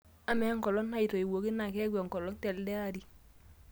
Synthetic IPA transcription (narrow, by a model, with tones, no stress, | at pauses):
a˦me˨˦ŋkɔ˨lɔ˦nha˦i˨to˨i˨wo˨ki˦na˨ke˦ɡʷe˨ŋ˨kɔ˨lɔ˦nte˨ldɛ˦a˦ɾi˦